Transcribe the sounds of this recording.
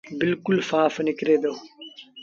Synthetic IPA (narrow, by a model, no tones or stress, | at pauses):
bɪlkʊlfaːfnɪkɾeːd̪oː